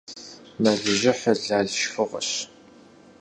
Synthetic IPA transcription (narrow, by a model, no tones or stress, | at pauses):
naːɮɨʒɪħɐɮaːɮʃfɨʁɐ̰ɕ